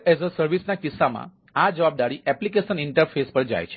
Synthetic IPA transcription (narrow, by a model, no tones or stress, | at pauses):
ezəsəɾʋisnakɪsːamã̰ | ad͡ʒəʋab̚d̪aɾiʔɛplikeʃəniɳʈəɾfʰespəɾd͡ʒa̰jt͡ʃʰe̥